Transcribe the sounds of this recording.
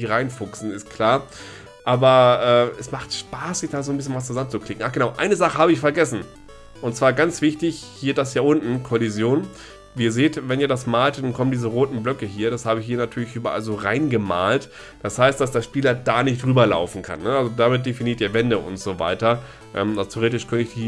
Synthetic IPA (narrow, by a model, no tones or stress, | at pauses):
ʁaɪnfʊksn̩ɪstkʰl̥aːɐ | ʔaːbɐʔɛːɛsmaχtʃpaːsz̥ɪçd̥aːzoːnbɪs̬çənvas̬t͡suzaənt͡sukl̥ɪkŋ̩ʔaːɡ̥ənaʊʔa̰ɪnəzaχəhaːbəɪçfɛɐɡɛsn̩ | ʔʊntt͡sv̥aːɐɡant͡sv̥ɪçtɪçhiːɐdasjiːʔʊntn̩kʰolizjoːn | viːɐzeːtvɛniːɐdasmaːltd̥ankʰɔməndiːzəʁoːtn̩blœkəɦiːɐɾashaːbəɪçhiːɐnatʰyːɐlɪçʔyːbɐʔa̰lzoːʁaɪnɡəma̰ːlt | d̥ashaɪstd̥as̬d̥eːɐʃpiːlɐdaːnɪçtd̥ʁyːbɐla̰ʊfn̩kʰa̰nːəalzodamɪt̚d̥efiniːɐtiːɐvɛndəʔʊ̰ntz̥oːva̰ɪtɐ | ʔɛ̰ːmatʰeoʁeːtɪʃkʰœnəɪçd̥i